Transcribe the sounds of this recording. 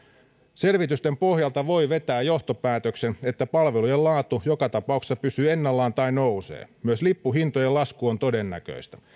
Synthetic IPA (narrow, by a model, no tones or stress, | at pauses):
se̞lʋit̪yst̪empo̞hjɑlt̪ɑʋo̞iʋe̞t̪æːjjo̞ht̪opæːt̪øksenet̪ːæpɑlʋelujelɑːt̪ːujokɑt̪ɑpɑˑukse̥sɑpysyːenːɑlːɑːnt̪ɑinousḛːmyøslipːuɦint̪ojelɑskuont̪odenːæ̰kø̰ist̪æ̥